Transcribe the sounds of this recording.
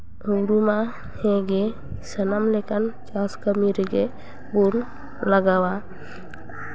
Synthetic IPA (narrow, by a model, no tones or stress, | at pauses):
uŋɾuma | hẽɡe | sənamlekənt͡ʃaskəmiɾeɡe | bun | ləɡawa